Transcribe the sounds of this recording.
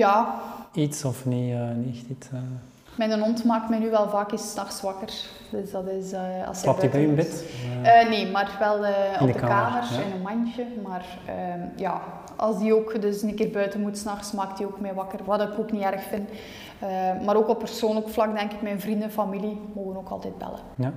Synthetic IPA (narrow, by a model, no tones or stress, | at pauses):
jaːitsɔfniəniɛxtitə | mɛnənɔntmaːk̚tmɛjnyʋɛlˠvaːkisːnɑxsʋɑkər | døsdɑtɪsəɑ̰lˠsjaibɛəmbɪtəːneːmarʋɛlˠəːdədkkːaːmərɪnənmɑnt͡ʃəmaːr | əːjaː | ʔɑ̰lˠzdioːkdɵsənəkɪːrbœɥtəmutsnɑxsmaːk̚t̚dioːkmɛjʋɑkərʋadɪkoːkniɛrxfɪn | əmaːɾoːkɔpːərsoːnləkflɑkdɛŋkɪkmɛjnvrindəfamilimoːɣənoːkɑ̰lˠtɛt̚bɛ̰lə̰ | ja